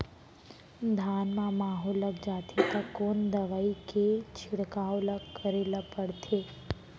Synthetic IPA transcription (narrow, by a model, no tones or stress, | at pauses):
d̪ʱaːnmãmaːɦoləkd͡ʒaːt̪ʰit̪akːoːnd̪əʋaːiket͡ʃʰɪɽkaːolakːəɾeːlapəɽt̪ʰe